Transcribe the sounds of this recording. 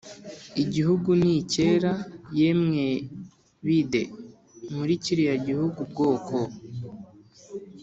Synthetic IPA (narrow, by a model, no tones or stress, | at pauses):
iɟihuɡuniceɾajemŋe | βidḛ | muɾiciɾijaɟihuɡubɡo̞ːkʰo